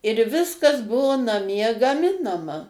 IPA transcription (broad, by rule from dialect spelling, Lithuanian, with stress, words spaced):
ɪr ˈʋʲɪskɐs ˈbʊʋoː nɐˈmʲiɛ ɡɐˈmʲɪnɐmɐ